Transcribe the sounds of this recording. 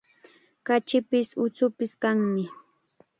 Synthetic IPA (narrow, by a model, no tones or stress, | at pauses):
kat͡ʃɪpɪsʊt͡sʊpɪskaŋmɪ